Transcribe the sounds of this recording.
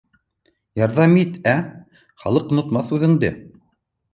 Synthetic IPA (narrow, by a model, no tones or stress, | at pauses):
jɑɾðɑmit̪æ | χɑ̰lˠɤqŏnŏt̪mɑθʉðɘ̆ŋd̪ɘ̰